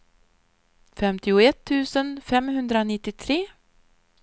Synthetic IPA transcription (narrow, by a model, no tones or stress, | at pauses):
fɛmt̪ɪʊɛt̪ʰːʉ̟ːsənfɛmhɵnd̪ɾaonɪt̪ːɪt̪ʰɾeː